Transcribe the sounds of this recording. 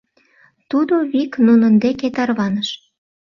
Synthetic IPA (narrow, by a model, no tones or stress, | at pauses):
t̪ud̪oβiknunənd̪eket̪ɑrβɑnəʃ